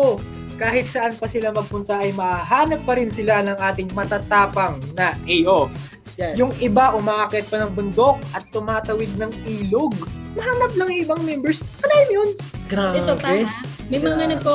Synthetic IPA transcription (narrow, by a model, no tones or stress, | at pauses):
o | kaːhɪt̪̚sɐʔanpɐsɪlamɐɡ̚pʊnt̪ɐʔɐjmɐʔaɦaːnɐp̚ːɐɾɪnsɪlanɐŋʔaːt̪ɪŋmɐt̪at̪aːpɐŋnɐʔɛjʔo | jʊŋɪbaʔʊmaʔaːkɛt̪̚pɐnɐŋbʊnd̪o̞k̚ʔɐt̪ːʊmaːt̪ɐwɪd̪̚nɐŋiːloɡ̚mɐɦaːnɐp̚lɐŋjʊŋʔɪbaŋmɛmbɛɹskɐlaːjɪmjonɡɾaobɛmɐjmɐŋɐnɐko